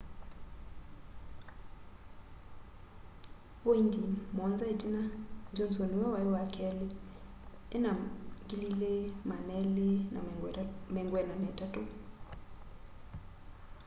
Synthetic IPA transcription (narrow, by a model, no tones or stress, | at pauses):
woindimɔnzaetinad͡ʒonsoniwawaiwakʰɛli | enaɡililemanɛlena̰mɛŋɡwɛnamɛtato